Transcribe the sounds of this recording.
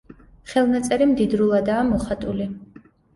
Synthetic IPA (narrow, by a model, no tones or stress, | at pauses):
χɛlˠnat̪sʼɛɾimd̪id̪ɾulˠad̪aːmɔχat̪ʼuli